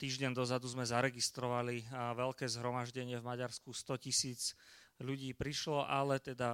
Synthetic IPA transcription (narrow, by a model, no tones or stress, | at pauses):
t̪iːʒɟɛnd̪ɔzad̪uzmɛzaɾɛɡist̪ɾɔʋaliʋɛʎkɛːzɦɾɔmaʒɟɛɲɪɛvmaɟaɾskust̪ɔcisiːt͡sʎuɟiːpɾiʃlɔʔalɛt̪ɛd̪a